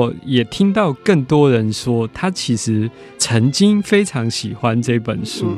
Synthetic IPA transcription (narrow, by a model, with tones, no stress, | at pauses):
jɛ˨˩t̪ʰi˦˥ŋt̪ɑ˥˨ʊkə˥˨˩ŋt̪wɔ˥ɻə˨˦nʂwɔ˥t̪ʰa˥t͡ɕʰi˧˥ʂɻ̩˨˧˥ | t͡sʰə˨˥ŋt͡ɕi˦ŋfe˥ɪʈ͡ʂʰɑ˨˦˥ŋɕi˨˩xwa˦nʈ͡ʂɤ˥˧i˥˩pə˨˩nʂu˥